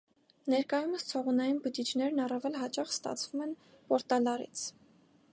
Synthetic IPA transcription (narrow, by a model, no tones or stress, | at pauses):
nɛɾkɑjuməst͡sʰɔʁunɑjinbət͡ʃit͡ʃʰnɛɾnɑrɑvɛlɦɑt͡ʃɑχst̪ɑ̰t͡sʰvumɛn | pɔɾt̪ɑlɑɾḭt͡sʰ